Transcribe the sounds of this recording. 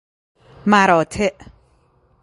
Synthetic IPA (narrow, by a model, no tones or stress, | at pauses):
maɾɔt̪ʰeʔ